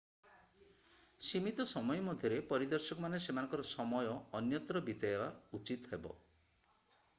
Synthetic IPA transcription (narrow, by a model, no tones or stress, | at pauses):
simit̪ɔsɔmɔjɔmɔd̪ʱjɔɾepɔɾid̪ɔɾsɔkɔmanesemanɔŋkɔɾɔsɔmɔjɔːnjɔt̪ɾɔbit̪eeba̰ut͡ʃit̪ɔɦebɔ̰